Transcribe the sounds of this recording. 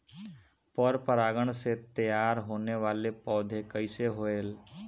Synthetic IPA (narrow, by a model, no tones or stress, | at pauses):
pəɾpəɾaːɡəɳ̃set̪əjaːɾɦoːneʋaːlepɔːd̪ʱekəɪseɦoeːl